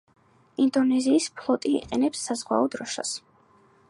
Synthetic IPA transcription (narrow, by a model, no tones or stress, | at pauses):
ind̪ɔnɛziːspʰlˠɔt̪ʼḭːqʼɛnɛpsːazʁwa̰ɔd̪ɾɔʃa̰s